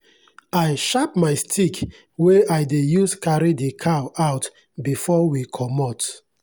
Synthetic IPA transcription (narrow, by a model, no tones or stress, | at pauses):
ajʃap̚maɪstʰik | weaɪdejuskaɹidekʰaaʊt | bifɔwikʰɔmɔt